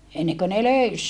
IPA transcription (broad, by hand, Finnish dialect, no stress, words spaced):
enːeŋkø ne løys